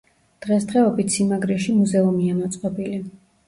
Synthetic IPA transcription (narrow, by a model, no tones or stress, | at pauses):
d̪̥ʁɛsd̪ʁɛɔbit̪ʰsimaɡɾɛʃimuzɛumiamɔt̪sʼqʼɔbili